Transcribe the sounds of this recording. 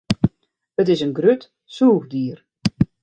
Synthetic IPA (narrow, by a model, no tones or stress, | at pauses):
ət̬ɪsənɡrøt | suːɣdiːr